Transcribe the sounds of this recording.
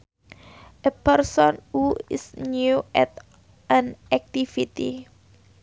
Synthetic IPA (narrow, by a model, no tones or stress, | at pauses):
ʔəpɛrsɔnuḭsnjuʔɛt̪ | ʔãnʔɛk̚t̪ifit̪ḭ